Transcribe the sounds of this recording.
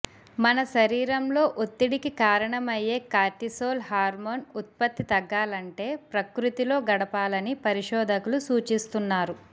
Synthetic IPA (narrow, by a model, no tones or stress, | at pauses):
mɐnɐʃɐɾiːɾɐmlo̞ːʔot̪ːiɽikikaːɾɐɳɐmɐjːe̞ːkaːʈisoːlhaːɾmoːnut̪̚pɐt̪ːit̪ɐɡːaːlɐɳʈe̞ːpɾɐkɾut̪ilo̞ːɡɐɽɐpaːlɐnipɐɾiʂɔːd̪ʱɐkulusuːt͡ʃist̪unːaːɾu